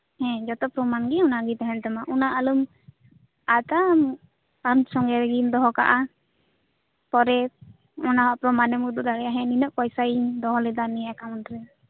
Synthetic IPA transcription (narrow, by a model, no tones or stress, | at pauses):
hɛ̃d͡ʒɔt̪ɔpɾɔmanɡɛɔnaɡit̪ɛɦɛnt̪ɛmaʔɔnaʔalum | at̪am | ansɔŋɡɛɾɛɡind̪ɔɦɔka̰ʔa | pɔɾɛ | ɔnaɦɔpɾɔmanɛmud̪ud̪aɾɛaɦɛ̃ninəʔpɔjsaind̪ɔɦɔlɛd̪anɛjakanɾɛ